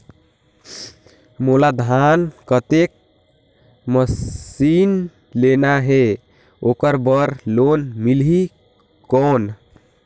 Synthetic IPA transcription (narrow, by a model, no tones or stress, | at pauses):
molad̪ʱankət̪ek̚ | məsin | lenaɦe | okəɾbəɾlonmilɦi | kɔn